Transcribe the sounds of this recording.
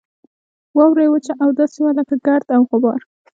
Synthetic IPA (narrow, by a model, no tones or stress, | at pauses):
wɑwɾajwət͡ʃaʔawd̪ɑsewalakəɡaɾd̪awxʊbɑɾ